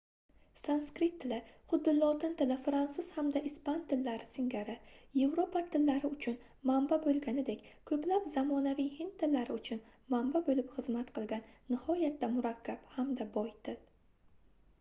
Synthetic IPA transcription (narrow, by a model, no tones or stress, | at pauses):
sanskɾɪt̪ʰːɪlɪχʊd̪ːɪlɒt̪ɪnt̪ɪlɪfɾansʊz̥hamd̪aʔɪspant̪ʰɪlːaɾɪsɪŋɡʲaɾɪje̞vɾopʰat̪ʰɪlːaɾɪʊt͡ʃʰʊn | mambabolˠɡʲanɪd̪ekʲkʰɵplapzamɒnavijhɪnt̪t̪ʰːɪlːaɾɪʊt͡ʃʰʊnmambabolɪpχɨzmat̪qʰɨlˠɡʲanːɪhɒjat̪ːamʊɾakʲʰːaphamd̪abɒjt̪ʰɪl